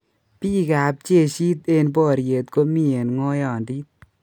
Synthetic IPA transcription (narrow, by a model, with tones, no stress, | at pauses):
pi˦ka˨p̚t͡ʃe˦˨ʃi˦t̪e˧nbɔ˦˨ɾje˨t̪̚ko˦mi˦e˨nŋɔ˦jɔ˨ndi˦t̪̚